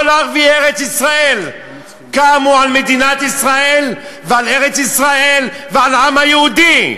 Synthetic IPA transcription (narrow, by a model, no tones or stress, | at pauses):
olaʁvieʁet͡sisʁael | kamualmed̪inat̪isʁaelvealeʁet͡sisʁaelvealamhajeud̪i